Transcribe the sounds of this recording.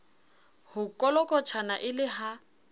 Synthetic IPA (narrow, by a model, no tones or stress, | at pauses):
hʊkʼɔlɔkʼɔt͡ʃʰanaʔɪlɪɦa